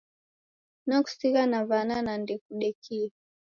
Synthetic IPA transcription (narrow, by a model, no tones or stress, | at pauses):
naku̥siɣanaβananandɛk̚uɗɛkʰi